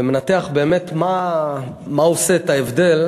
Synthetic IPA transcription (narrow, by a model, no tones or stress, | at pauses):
emenat̪eaχbe̞ːmet̪ma | maoset̪aevd̪e̞l